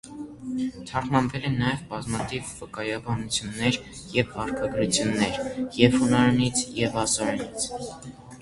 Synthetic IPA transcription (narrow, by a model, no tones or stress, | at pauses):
t̪ʰɑχmɑmvɛlɛnːɑjɛvbɑzmɑt̪ʰivːəkɑjɑbɑnut͡sʰjunːɛɾ | jɛvːɑɾkʰɑɡɾut͡sʰjunːɛɾjɛvhunɑɾɛnit͡sʰjɛvɑsɑɾɛnit͡sʰ